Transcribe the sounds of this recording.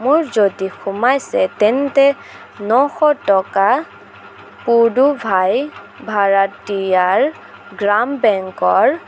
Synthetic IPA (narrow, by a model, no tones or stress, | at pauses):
muɹzodixumajsɛtɛntɛ | nɔxɔtɔka | pudubʱaj | bʱaɹatːijaɹ | ɡɹambɛŋkɔɹ